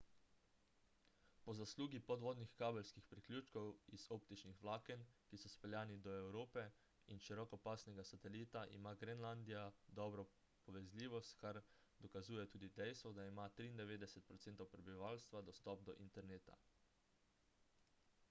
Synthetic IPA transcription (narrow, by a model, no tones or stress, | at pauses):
pɔzasluːɡipɔd̪ʋɔːd̪nixkaːbɛlskixpɾiklʲjuːt͡ʃkɔwizoːpt̪it͡ʃnixʋlaːkɛnkisɔspɛljaːnid̪ɔɛwɾoːpɛ | inʃiɾɔkɔpaːsnɛɡasat̪ɛliːt̪aʔḭmaːɡɾɛnland̪ijad̪ɔbɾɔ | pɔʋɛzlʲiːʋɔst̪kaɾ | d̪ɔkazuːjɛt̪uːd̪id̪ɛjst̪ʋɔd̪aimat̪ɾiːnd̪ɛʋeːd̪ɛsɛt̪̚pɾɔt̪seːnt̪ɔwpɾɛbiʋalst̪ʋad̪ɔst̪ɔp̚d̪ɔʔḭnt̪ɛɾneːt̪a̰